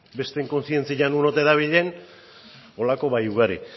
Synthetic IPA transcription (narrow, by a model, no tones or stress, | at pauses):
be̞st̪eŋko̞nsie̞nt͡siʎanunot̪eðaβ̞iʎe̞n | o̞lako̞βajuɣaɾi